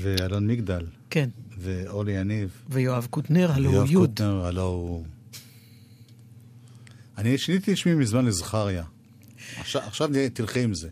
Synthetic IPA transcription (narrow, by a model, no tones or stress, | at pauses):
vealonmiɡd̪alkenveolijanivvejoavkut̪neʁhalojjoajud̪neʁhalow | aniʃinit̪iʃmimizmanlezaχaʁja | aχʃaaχʃavnt̪ilχiimze